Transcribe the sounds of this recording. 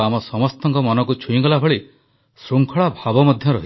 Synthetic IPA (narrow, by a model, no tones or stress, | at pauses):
amɔsɔmɔst̪ɔŋkɔmɔnɔkut͡ʃʰuĩkɔlabʱɔɭi | sɾuŋkʰɔɭabʱabɔmɔd̪ʱjɔɾɔɦi